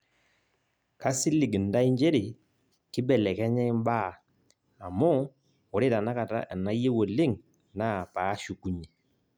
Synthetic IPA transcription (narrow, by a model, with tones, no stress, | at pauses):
ka˦sɪ˦lɪ˨ɡi˨nda˦i˦ɲd͡ʒe˦ɾɪ˨ | kɪ˦bɛ˨lɛ˨kɛ˦ɲɛ˦ɪ˦m˦ba˦˨ | a˨mɔ˦ | ɔ˨ɾe˦ta˨na˦ka˨ta̰˦˨na˦je˦wo˨lɪ˦˨ŋ | na˦˨paː˨˦ʃu˨ku˦ɲe˨